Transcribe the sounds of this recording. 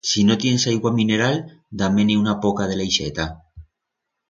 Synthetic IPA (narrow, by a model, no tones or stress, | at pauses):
sino̞t̪je̞nesajɣwamĩne̞ɾald̪ameniunapokað̞e̞lejʃet̪a